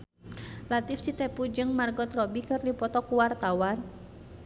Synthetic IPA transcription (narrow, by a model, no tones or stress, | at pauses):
lat̪ifsit̪ɛpud͡ʒɨŋmarɡɔt̪rɔbikɨrdipɔt̪ɔkuwart̪awan